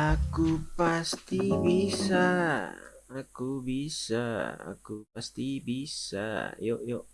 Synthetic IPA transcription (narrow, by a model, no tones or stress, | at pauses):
akupast̪ibisaː | kubisa̰a̰kupast̪ibisa̰jɔʔjɔʔ